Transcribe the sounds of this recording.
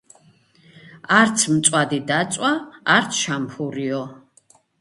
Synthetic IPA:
aɾt̪sʰmt̪sʼwad̪id̪at̪sʼwaːɾt̪sʰʃampʰuɾiɔ

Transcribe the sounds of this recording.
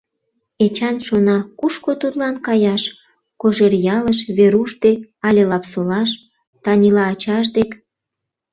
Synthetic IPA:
et͡ɕɑnʃonɑkuʃkot̪ud̪lɑnkɑjɑʃ | koʒerjɑləʃβeɾuʃd̪ek̚ɑlʲelɑpsolɑʃ | t̪ɑnʲilɑːt͡ɕɑʃ̬d̪ek

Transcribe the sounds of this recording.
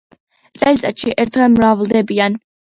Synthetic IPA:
t̪sʼɛlit̪sʼat̪ʃiʔɛɾt̪ʰʁɛlˠmɾavld̪ɛbian

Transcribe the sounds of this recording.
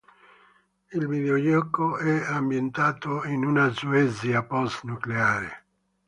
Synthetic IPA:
ilviðeojɔkːoɛambjent̪aːt̪oinunazuɛziapɔst̪nukleaːɾḛ

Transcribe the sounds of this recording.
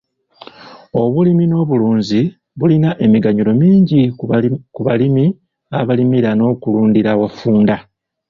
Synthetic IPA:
o̞βulimino̞ːβuluːɲzi | βulinaʔe̞miɡaɲuɾo̞miːɲɟikuβalimi | aβalimiɾano̞ːkuluːndiɾawafuːnda

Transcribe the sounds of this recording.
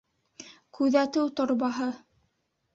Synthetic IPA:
kʉðæt̪ɘwt̪ŏɾβɑɦɤ

